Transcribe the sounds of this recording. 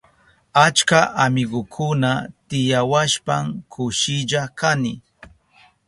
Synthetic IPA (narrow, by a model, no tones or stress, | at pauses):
at͡ʃkaʔamɪɢʊkʰʊnat̪ɪjawaʃpamkʰʊʃɪʎakanɪ